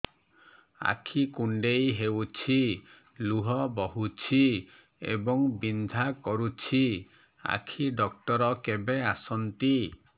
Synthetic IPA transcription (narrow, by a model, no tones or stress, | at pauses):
a̰kʰikuɳɖejɦewt͡ʃʰi | luɦɔbɔɦut͡ʃʰi | ḛbɔŋbind̪ʱakɔɾut͡ʃʰi | a̰kʰiɖɔk̚ʈɔɾɔkebeasɔnt̪i